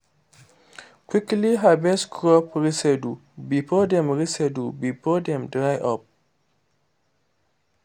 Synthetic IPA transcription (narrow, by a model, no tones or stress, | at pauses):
kʰwikliɦabɛskʰɹɔpɹisɛdu | bifɔdɛ̃mɹisɛdubifɔdɛ̃mdɹajʔɔp̚